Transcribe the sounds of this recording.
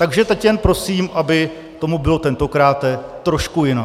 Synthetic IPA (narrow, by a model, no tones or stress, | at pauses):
t̪aɡʒɛt̪ɛcjɛnpɾo̞siːmʔabɪ | t̪o̞mubɪlo̞t̪ɛnt̪o̞kɾaːt̪ɛt̪ːɾo̞ʃkujɪna